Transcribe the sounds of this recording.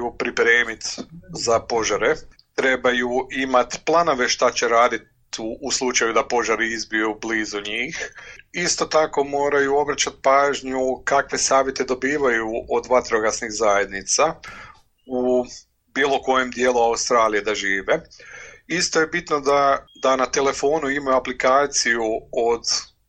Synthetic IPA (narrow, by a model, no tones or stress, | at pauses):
upɾipɾeːmit̪zapo̞ʒaɾe | t̪ɾe̞bajuʔimat̪plˠano̞ʋe̞ʃt̪at͡ɕeɾaːd̪it̪ː | slˠut͡ʃajud̪apo̞ʒaɾiizbijubliːzuɲiːxist̪o̞t̪ako̞mo̞ːɾajuo̞bɾat͡ɕat̪̚paːʒɲukakʋe̞saːʋjet̪e̞d̪o̞biːʋajuʔod̪ʋat̪ɾoɡasniɣzaje̞d̪nit̪sa | u | biːlˠo̞ko̞je̞md̪jeːluaust̪ɾaːlijed̪aʒiːʋe | ist̪o̞je̞bit̪nod̪ad̪anat̪ele̞fo̞ːnuimajuaplikaːt̪sijuod̪